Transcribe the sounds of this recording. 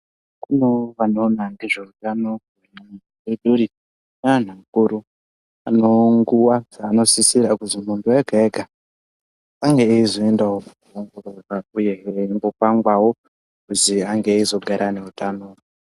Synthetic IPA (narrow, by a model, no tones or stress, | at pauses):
kunoʋanonandiʐeutanokuna | eɗuɾi | naan̤aŋkuɾu | a̰noŋɡuwazaːno̞sisiɾakuzimuntuweɡʱaeɡʱa | aŋɡeːizoendawokuuoŋɡoɾoraujeːimbopaŋɡwawo | kuziaŋɡeːizo̞ɡʱaɾʔane̞utʼano